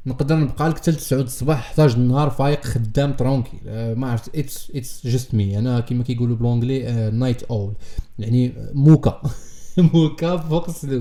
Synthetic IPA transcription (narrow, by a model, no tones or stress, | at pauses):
nəqd̪əɾˤnəb̚qɑləkt̪əlt̪ə̥sʕud̪əsˤːbɑħħt̪æʒənːhɑɾˤfæjəqxəd̪ːæmt̪ɾˤɔkʰimæʕɾft̪ʔət̪sʔət̪ʒəsmiʔænækəmækæjɡulubəlʕʊ̃ɡlinajt̪ʔowljaʕnimuka | mukæbfuqslu